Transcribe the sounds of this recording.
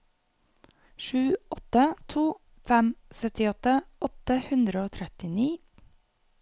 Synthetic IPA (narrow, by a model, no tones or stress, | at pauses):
ʃʉːɔt̪ət̪ʰuː | fɛmsœt̪ɪɔt̪əɔt̪əhʉnd̪ɾəoːt̪ʰɾɛt̪ɪniː